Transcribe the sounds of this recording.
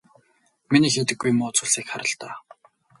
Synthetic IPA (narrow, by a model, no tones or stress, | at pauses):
miniːxet̪ɘ̆ɡːujmʊːt͡sʰʊɮsiːkχaɾə̆ɬt̪aː